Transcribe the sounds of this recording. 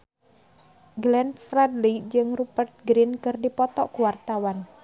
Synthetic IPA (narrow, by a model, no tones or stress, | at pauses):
ɡlɛnfɾɛd̪lid͡ʒɨŋrubərt̪̚ɡɾinkɨrdipɔt̪ɔʔkuwart̪awan